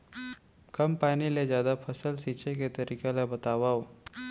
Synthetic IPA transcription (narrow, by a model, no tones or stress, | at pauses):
kɐmpaːnilezjaːd̪apʰəsəlsiːt͡ʃeket̪əɾiːkelebɐt̪aːʋao